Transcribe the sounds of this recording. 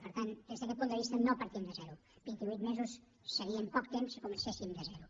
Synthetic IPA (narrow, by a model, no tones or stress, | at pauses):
pəɾt̪and̪ezðəkɛt̪̚punəβist̪ənopəɾt̪imd̪əzɛɾu | b̥int̪iβujt̪mezusː | əɾiəmpɔkt̪emsəkumənsesimd̪əzɛɾu